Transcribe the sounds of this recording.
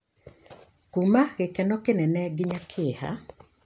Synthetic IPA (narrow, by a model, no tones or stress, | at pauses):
kumaɣɪkɛnɔkɪnɛnɛɡɪɲakʰɪha̰